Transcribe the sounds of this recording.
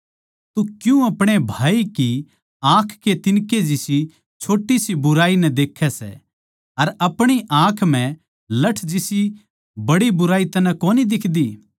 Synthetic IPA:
t̪ukjũɐpɽ̃ebʱaːiki | ãːkʰkːet̪ɪnked͡ʒisi | t͡ʃʰoːʈːisibʊɾaːinɛd̪eːkʰːɛsɛ̰ | ɐɾɐpɽ̃iʔãːkʰm̤ɛ̃ | lɐʈʰd͡ʒɪsi | bɐɽibʊɾaːit̪ɐnɛ̃koːnid̪ɪkʰd̪iː

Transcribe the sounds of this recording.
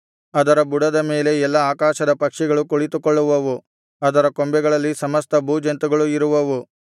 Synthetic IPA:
ɐd̪ɐɾɐbuɽɐd̪ɐme̞ːle̞ɛlːɐaːkaːʃɐd̪ɐpɐkʂɛɡɐɭukuɭit̪ukoɭːuʋɐʋu | ɐd̪ɐɾɐkombɛɡɐɭɐlːisɐmɐst̪ʰɐbuːd͡ʒɐnt̪uɡɐɭuiɾuʋɐʋu

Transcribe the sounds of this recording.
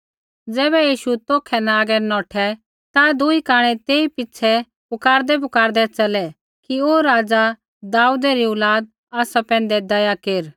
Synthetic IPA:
d͡zɛːβɛjiːʃut̪oːkʰɛnaːɡɛnɔːʈʰɛ | t̪ad̪ʊikaːɽ̃ɛt̪eːipɪt͡ʃʰɛ | pʊkaːɾd̪ɛp̬ʊkaːɾd̪ɛt͡ʃɐlɛ | kioːɾaːd͡za | d̪aːud̪ɛɾiʊlaːd̪̚ | aːsapɛ̃ːn̆d̪ɛd̪ɐjakeːɾ

